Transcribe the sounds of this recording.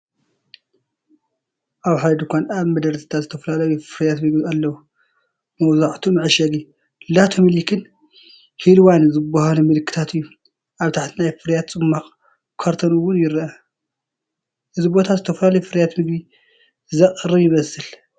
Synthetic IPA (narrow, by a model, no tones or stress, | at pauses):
ʔaβħad̪d̪ukʰʷanaβmɐd̪ɐɾt̪ʰɨ̥t̪ʰazɨt̪ʰɐfɐlalɐjufɨɾjat̪mɨɡbialːɐwu | mɐwzaʕt̪ʰumɨʕɨʃɐɡi | lat̪ʰomɨlikʰɨn | hilwanzɨbːahalumɨlɨkʰːɨ̥t̪ʰat̪ʰɨjːu | ʔaβt̪ʰaħt̪ʰinajfɨɾjat̪t͡sʼɨmːaχʼ | kʰaɾt̪ʰonuwʊnjɪɾʔɐ | ʔɨzɨbo̞t̪ʰazɨt̪ʰɐfɐlalɐjufɨɾjat̪mɨɡbi | zɐqʼɾɨβjɪmɐsɨl